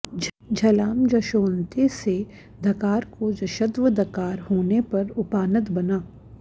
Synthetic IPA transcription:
d͡ʒʱɐlaːmd͡ʒɐʃoːnt̪ese | d̪ɐkaːɾkod͡ʒɐʃəd̪ʋəd̪ɐkaːɾɦoːnepɐɾʊpaːnət̪bɐnaː

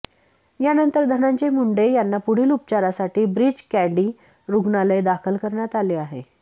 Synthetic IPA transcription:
janənt̪əɾd̪ʱənaɲt͡ɕemuɳɖejanːapuɽ̤iːlupt͡ɕaɾasaʈiːbɾiːd͡ʑkæɖiː | ɾuɡɳaləjd̪akʰəlkəɾɳjat̪aleːaɦe

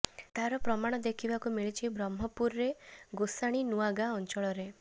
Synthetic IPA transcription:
t̪aɾɔpɾɔmaɽ̃ɔd̪ekʰibakumiɭit͡ʃʰibɾɔmɦɔpuɾɾeɡosaɽ̃inuaɡaɔnt͡ʃɔɭɔɾe

